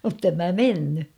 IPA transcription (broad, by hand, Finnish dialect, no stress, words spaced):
mutːem mæ menːy